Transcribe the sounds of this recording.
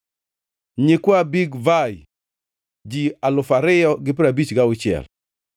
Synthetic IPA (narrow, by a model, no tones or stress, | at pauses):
ɲikwabiɡvaj | d͡ʒialʊfaɾɪjɔɡɪpɪɾabit͡ʃɡaʊt͡ʃɪɛ̰l